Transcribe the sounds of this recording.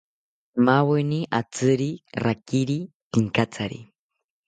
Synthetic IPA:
maweniʔat͡sɨɾirakiɾi | piŋkat͡sʰaɾḭ

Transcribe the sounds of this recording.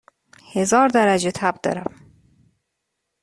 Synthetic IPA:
hezɒːɾd̪æɾæd͡ʒet̪ʰæb̚d̪ɒ̰ːɾæm

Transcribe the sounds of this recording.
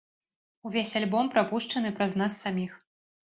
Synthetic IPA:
uvʲesʲalʲbɔmpɾapuʂt͡ʂɐn̪ɨpɾɐznasːamʲix

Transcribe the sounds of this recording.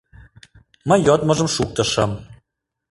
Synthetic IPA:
məjːot̪mə̆ʒə̆mʃuk̚t̪ə̆ʃə̆m

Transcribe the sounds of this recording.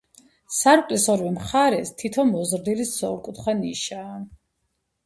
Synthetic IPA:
saɾqʼlisɔɾwimχaɾɛst̪ʰit̪ʰɔmɔzɾd̪ilisːɔɾkʼut̪χwaniʃaː

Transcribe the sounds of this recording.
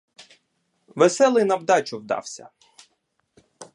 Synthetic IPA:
ʋesɛlˠɪjnɐwd̪ɑt͡ʃʊwd̪ɑ̰wsʲɐ̰

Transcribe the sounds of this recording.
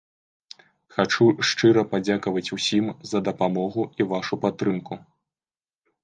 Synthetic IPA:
xat͡ʂuʂt͡ʂɨɾɐpad͡zʲakɐvɐt͡sʲusʲimzɐd̪ɐpamɔɣuivaʂupat̪ːɾɨmku

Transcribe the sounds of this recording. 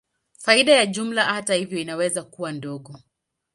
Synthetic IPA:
faiɗajaʄum̩lahatahivjɔinawɛzakuwandɔɠɔ

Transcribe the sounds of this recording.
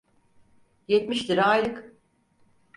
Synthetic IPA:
jet̪miʃt̪iɾajlɯk

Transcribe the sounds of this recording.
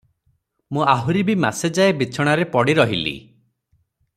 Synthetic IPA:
mũaɦuɾibima̰sed͡ʒaebit͡ʃʰɔɽ̃aɾepɔɽiɾɔɦilḭ

